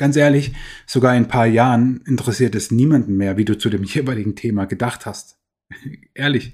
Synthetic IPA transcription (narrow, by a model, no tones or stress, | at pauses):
ɡ̥ant͡sʔeːɐlɪçz̥oɡaːɐɪnpʰaːɐjaːʁənɪntəʁɛsiːɐtɛsniːmandn̩meːɐviːduːt͡sudeːmjeːvaɪlɪɡŋ̩tʰeːmaɡədaχthast | ʔeːɐlɪç